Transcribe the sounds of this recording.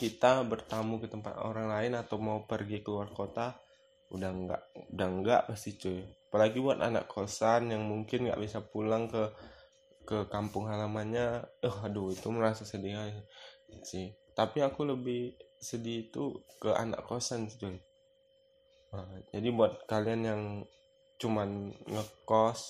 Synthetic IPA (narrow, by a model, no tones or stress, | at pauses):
kit̪abərt̪amukət̪əmpa̰t̪o̰ɾaŋlaɪnat̪awmaupərɡikəluarkot̪a | udaŋɡa̰ʔudaŋɡa̰ʔpast̪it͡ʃojapalaɡibuat̪a̰na̰ʔkʰosanjaŋmuŋkɪnɡa̰ʔbisapulaŋkə | kəkampʊŋɦalamanɲaəhaduit̪uməɾasasədia | sɪht̪apiakuləbɪhsədit̪ukəʔa̰na̰ʔkosant͡ʃoj | əd͡ʒadibuat̪̚kalianjaŋ | t͡ʃumanŋəkɔs